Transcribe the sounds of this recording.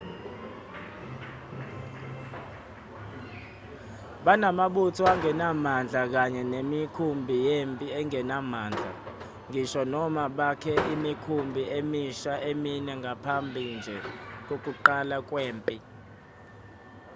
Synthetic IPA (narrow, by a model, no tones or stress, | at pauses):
ɓanamaɓutʰuaŋɛnamand͡ɮʱak̬aɲɛnemikʰumbʱijempʼiɛŋɛnamaːnd͡ɮʱa̰ | ŋɡʱiʃɔnɔmaɓakʰɛʔimikʰumbʱiʔemiʃaʔeminɛŋɡʱapʰambʱind͡ʒʱɛk̬ok̬ʼuǃalak̬ʼweːmpʼi